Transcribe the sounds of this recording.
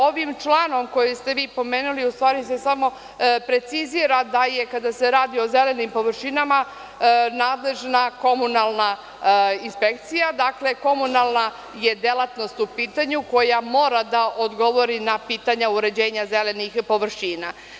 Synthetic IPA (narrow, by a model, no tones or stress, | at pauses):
o̞ʋimt͡ʃlˠaːno̞mko̞jest̪e̞ʋiːpo̞meːnuliust̪ʋaːɾise̞samo̞ | pɾe̞t̪siziɾad̪aje̞kad̪ase̞ɾaːd̪io̞ze̞le̞nimpo̞ʋr̩ʃinama | naːd̪le̞ʒnako̞munalˠna | inspe̞k̚t̪sijad̪akle̞ko̞munalˠna | je̞d̪elˠat̪no̞st̪upiːt̪aɲuko̞jamo̞ːɾad̪aʔod̪ɡo̞ʋo̞ɾinapiːt̪aɲauɾe̞d͡ʑe̞ːɲazelenixpo̞ʋr̩ʃiːna